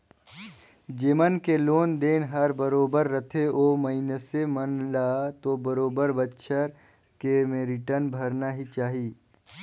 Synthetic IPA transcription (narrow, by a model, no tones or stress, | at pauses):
d͡ʒeːmənkeloːnd̪eːnɦɐɾbəɾoːbəɾːət̪ʰeʔoːmɐɦinesemənlaːt̪obəɾoːbəɾbətːʃʰəɾ | kemẽɾɪʈəɾnbʱəɾnaɦit͡ʃaːɦiː